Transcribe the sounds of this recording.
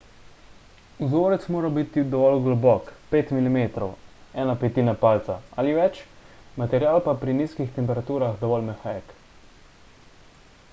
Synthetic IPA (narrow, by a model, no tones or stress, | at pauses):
uzoːɾɛt̪smoːɾabit̪id̪ɔʋɔlɡlɔbɔkpeːt̪milimeːt̪ɾɔwɛːnapɛt̪iːnapaːlt̪saaːliʋɛt͡ʃmat̪ɛɾjaːlpapɾiniːskixt̪ɛmpɛɾat̪uːɾaxd̪ɔʋɔːlmɛxak